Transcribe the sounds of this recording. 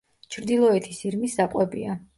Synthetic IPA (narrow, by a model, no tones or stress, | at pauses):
t͡ʃʰɾd̪ilˠɔɛt̪ʰisiɾmisz̥apʼwɛbia